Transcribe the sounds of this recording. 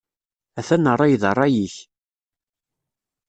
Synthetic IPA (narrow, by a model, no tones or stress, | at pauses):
æθænːərˤːɑjðərˤːɑjiç